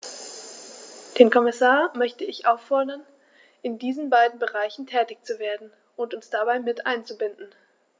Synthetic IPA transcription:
d̥eːnkʰɔmɪsaːɐmœçtəɪçʔaʊfɔɐdɐn | ʔɪndiːzn̩baɪdn̩bəʁaɪçn̩tʰɛːtɪçt͡suveːɐdn̩ | ʊntʊnsd̥abaɪmɪtʔa̰ɪnt͡subɪndn̩

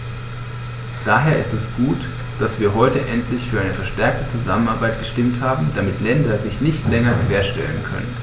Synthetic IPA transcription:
d̥aːɦeːɐɪstɛsɡ̥uːt | d̥asv̥iːɐɦɔʏtəʔɛntʰlɪçfyːɐʔaɪnəfɛɐʃtɛɐk̚tət͡suzamənaɐbaɪtɡ̥əʃtɪmthaːbm̩d̥amɪtlɛndɐzɪçnɪçtlɛŋɐɡəv̥eːɐʃtɛ̰lənkʰœ̰nə̰n

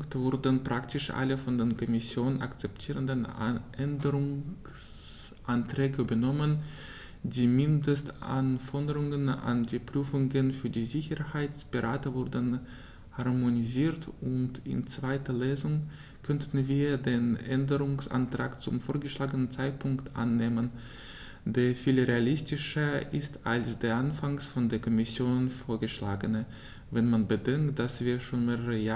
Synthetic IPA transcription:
ktv̥ʊɐdənpʁ̥aktʰɪʃʔa̰ləfɔndeːkʰɔmɪsjoːnəna̰kt͡sɛp̚tʰiːʁəndənʔɛndəʁʊŋ | s | ʔantʁ̥ɛːɡəybɐnɔmən | diːmɪndəstʔa̰nfɔdəʁʊŋəna̰ndiːpʁ̥yːfʊŋɡənfyːɐdiːzɪçəhaɪt͡sb̥əʁaːtəvʊɐdən | haʁmoniziːɐtʊntɪ̰nt͡sv̥aɪtɐleːzʊŋ | kʰœntn̩viːɐdeːnʔɛndəʁʊŋsʔa̰ntʁ̥aːkt͡sʊmfoːɐɡəʃlaːɡənənt͡saɪt̚pʰʊŋktʔa̰nːeːmən | deːɐfiːlʁealɪstɪʃɐʔɪstalsd̥eːɐʔanfaŋsfɔndeːɐkʰɔmɪsjoːnfoːɐɡəʃla̰ːɡənə | vɛnmanbədɛŋkt̚d̥asv̥iːɐʃoːnmeːʁəʁəja

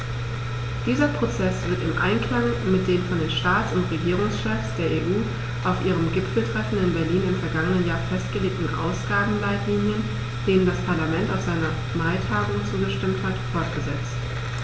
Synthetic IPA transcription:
d̥iːzɐpʁ̥ot͡sɛsv̥ɪɐtɪmʔa̰ɪnkl̥aŋmɪt̚d̥eːnfɔndeːnʃtaːtsʊntʁeɡiːʁ̞ʊŋsʃɛfsd̥eːɐeːʔuː | ʔaʊfʔiːʁ̞əmɡɪpfl̩tʁ̥ɛfn̩ɪnbɛɐliːnɪmfɛɐɡaŋənənjaːɐfɛstɡ̥əleːk̚tn̩ʔa̰ʊsɡ̥aːbm̩laɪtliːnjən | d̥eːnəndaspʰaɐlamɛntaʊfz̥aɪnɐ | maɪtʰaːɡʊŋt͡suːɡəʃtɪmthatfɔɐtɡ̥əzɛt͡st

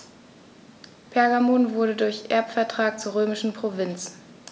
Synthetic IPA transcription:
pʰɛɐɡamonvʊɐɾədʊɐçʔɛ̰ɐpfɛɐtʁ̥aːk̚t͡suːɐʁøːmɪʃn̩pʁ̥ovɪnt͡s

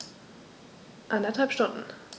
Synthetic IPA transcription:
ʔandɐthalpʃtʊndn̩

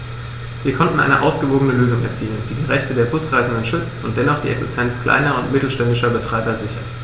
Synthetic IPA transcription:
viːɐkʰɔntn̩aɪnə̰ʔaʊsɡ̥əvoːɡənəløːzʊŋɛ̰ɐt͡siːlənd̥iːdiːʁɛçtədeːɐbʰʊskʁaɪzn̩dənʃʏt͡stʊnt̚d̥ɛnɔχd̥ḭːʔɛksɪstʰɛnt͡skʰl̥a̰ɪnɐʊntmɪtl̩ʃtɛndɪʃɐbətʁ̥aɪbɐzɪçɐ

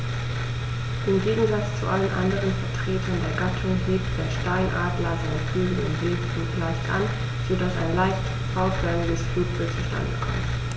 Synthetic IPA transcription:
ʔɪmɡeːɡŋ̩zat͡st͡sṵʔalənʔa̰ndəʁ̞ənfɛɐtʁ̥eːtʰɐndeːɐɡatʰʊŋɦeːp̚td̥eːɐʃtaɪnʔaːdlɐzaɪnfyːɡəʊ̰ntv̥eːffuːklaɪçtʔa̰n | z̥odasa̰ɪnlaɪçt | fɔʊtfɛnɪɡəsfyt͡sl̩t͡suʃta̰ndəkʰɔ̰mt

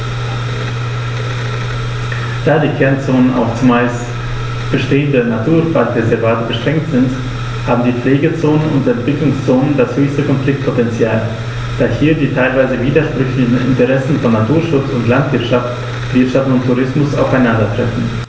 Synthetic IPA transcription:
d̥aːdiːkʰɛɐnt͡soːnəna̰ʊft͡sumaɪst | b̥əʃteːəndənatʰuːɐfapɛɐzɛɐvaːtəbəʃtʁ̥ɛŋk̚tz̥ɪnt | haːbm̩diːp͡fleːɡət͡soːnənʊ̰ntɛntv̥ɪklʊŋst͡soːnəndashøːçstəkʰɔnflɪk̚t̚pʰotɛnt͡sjaːl | d̥aːhiːɐdiːtʰaɪlvaɪzəviːdɐʃpʁ̥ʏçlɪçn̩ɪ̰ntəʁɛsn̩fɔnːatʰuːɐʃʊt͡sʊntlantv̥ɪɐtʃaft | v̥ɪɐtʃaftʊntʰːuʁɪsmʊsa̰ʊfaɪnandɐtʁ̥ɛfn̩

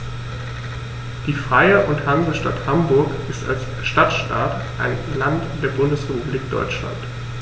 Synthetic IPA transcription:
d̥iːfʁ̥aɪəʔʊnthanzəʃtathambʊɐkʔɪsta̰ls | ʃtatʃta̰ːt | ʔaɪnlantd̥eːɐbʊndəsʁ̥epubliːk̚d̥ɔ̰ʏt͡ʃla̰nt

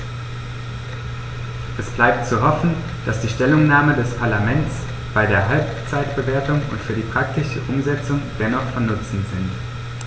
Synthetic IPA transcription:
ʔɛsb̥laɪp̚tt͡suɦɔfn̩ | d̥asd̥iːʃtɛlʊŋnaːmədɛspʰaɐlamɛnt͡s | b̥aɪdeːɐɦalpt͡saɪtb̥əveːɐtʊŋʊ̰ntfyːɐdiːpʁ̥ak̚tɪʃəʔʊmzɛt͡sʊŋd̥ɛnɔχfɔmnʊt͡sn̩z̥ɪnt

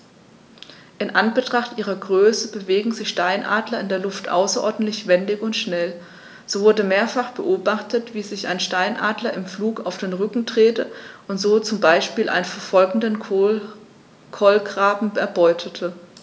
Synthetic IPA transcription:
ʔɪnʔanbətʁ̥aχtʔiːʁɐɡʁøːsəbəveːɡŋ̩zɪçʃtaɪnʔa̰ːdlɐɪndeːɐlʊftʔa̰ʊsɐʔɔɐdn̩tlɪçv̥ɛndɪçʊntʃnɛl | z̥oːvʊɐdəmeːɐfaχb̥əʔoːbaχtətv̥iːzɪça̰ɪnʃtaɪnʔaːdlɐɪmfluːkaʊfd̥eːnʁʏkŋ̩tʁ̥eːtəʔʊntz̥oːt͡sʊmbaɪʃpiːlʔa̰ɪnnfɛɐfɔlɡŋ̩dən | kʰɔlɡʁ̥aːbm̩ɛɐbɔʏtʰətʰə

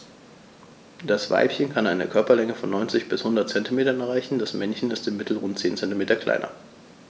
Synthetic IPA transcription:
d̥asv̥a̰ɪpçənkʰanaɪnə̰kʰœɐpɐlɛŋəfɔnːɔʏnt͡sɪçb̥ɪshʊndɐt̚t͡sɛntimeːtɐnɛɐaɪçn̩d̥asmɛnçn̩ɪstɪmːɪtl̩ʁʊntt͡seːnt͡sɛntimeːtɐkʰl̥a̰ɪnɐ̰

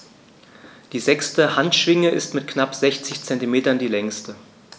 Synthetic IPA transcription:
d̥iːzɛkstəhantʃv̥ɪŋəʔɪstmɪtknapz̥ɛçt͡sɪçt͡sɛntimeːtɐndiːlɛŋstə

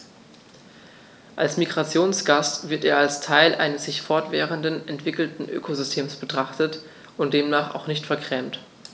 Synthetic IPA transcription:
ʔalsmiɡʁat͡sjoːnsɡ̥astv̥ɪɐteːɐalstʰaɪlʔa̰ɪnəsz̥ɪçfɔɐtv̥ɛːʁəndənʔɛntv̥ɪkl̩tn̩ʔø̰ːkʰozʏstʰeːmsb̥ətʁ̥aχtət | ʊnt̚d̥eːmnaːχa̰ʊxnɪçtfɛɐkʁ̥ɛːmt

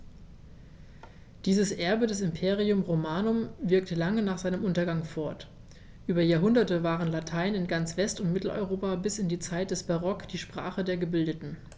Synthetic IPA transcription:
d̥iːzəsʔɛɐbədɛs̬ɪmpʰeːʁiʊmʁomaːnʊmvɪɐk̚təlaŋənaːχz̥aɪnəmʔʊntɐɡaŋfɔɐt | ʔyːbɐjaːɐɦʊndɐtəvaːʁənlatʰaɪnɪnɡant͡sv̥ɛstʊntmɪtl̩ɔ̰ʏʁoːpabɪsɪndiːt͡saɪt̚d̥ɛsb̥aʁɔkd̥iːʃpʁ̥a̰ːχədeːɐɡəbɪldətn̩

